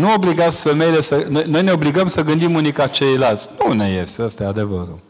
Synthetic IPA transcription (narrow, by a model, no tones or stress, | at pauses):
nuo̞bliɡat̪sfe̞me̞ile̞sənojno̞jneo̞bliɡəmsəɡɨnd̪imunijkat͡ʃe̞jlalt̪sʲnune̞je̞̰st̪eəst̪aad̪e̞və̰ɾṵ